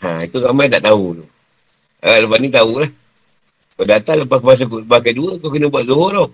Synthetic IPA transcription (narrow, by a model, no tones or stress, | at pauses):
ã̰it̪uɾamajt̪a̰ʔt̪aunu | ələpanit̪aulah | kadat̪aŋləpak̬əmas̬ak̬uʔsəbak̬ajduəkok̬ənəbuaʔzoɦoɾaw